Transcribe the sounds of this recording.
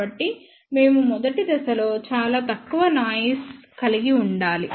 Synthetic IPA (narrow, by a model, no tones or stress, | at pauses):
ɐʈːi | me̞ːmumɔd̪ɐʈid̪ɐsɐlo̞ːt͡ʃaːlaːt̪ɐkːuʋɐnaːjiskɐliɡiuɳɖaːli